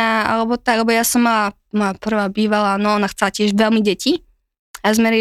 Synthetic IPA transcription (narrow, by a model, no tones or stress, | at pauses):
aʔa̰lɛbɔt̪aɡlɛbɔjaːsɔmːala | mojapr̩vaːbiːvalaːnoʔonaxt͡sɛlacɪɛʒvɛlmiɟɛci | azmɛɾi